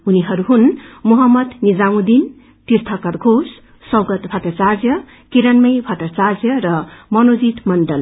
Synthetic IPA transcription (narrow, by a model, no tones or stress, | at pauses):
uniɦʌɾuɦunmuɦʌmːʌd̪nid͡zawũd̪in | t̪iɾt̪ʰʌkʌɾɡʱos | sʌwɡʌt̪bʱʌt̪ʌt͡sard͡zjʌ | kiɾʌnmʌjbʱʌt̪ʌt͡sard͡zjʌɾʌmʌnod͡zit̪mʌnɖʌl